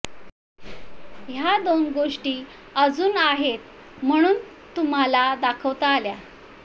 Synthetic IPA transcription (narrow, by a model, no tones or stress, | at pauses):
ɦjad̪onɡoʂʈiː | əd͡zuːnaɦet̪̚ | m̤əɽ̃uːn | t̪um̤alad̪akʰəʋt̪aːlja